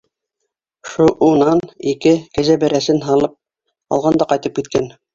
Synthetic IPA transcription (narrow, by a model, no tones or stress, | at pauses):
ʃuʔunɑnikɘkæzæbæɾæsɘnɦɑlˠɤp̚ | ɑ̰lˠʁɑnd̪ɑqɑjt̪ɤp̚kit̪̚kæn